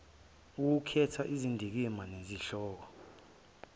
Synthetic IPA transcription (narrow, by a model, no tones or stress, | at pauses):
uk̬ukʰɛtʰaʔizindʱik̬imaneziɬɔːk̬ɔ